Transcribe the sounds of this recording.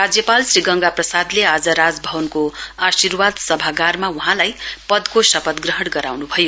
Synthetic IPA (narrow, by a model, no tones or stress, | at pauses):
rad͡zjʌpalsriɡʌŋɡaprʌsad̪lead͡zʌɾad͡zbʱʌbʌnkoasirwad̪sʌbʱaɡarmauɦãlajpʌd̪kosʌpʌt̪ɡrʌɦʌɽɡʌɾawnubʱʌjo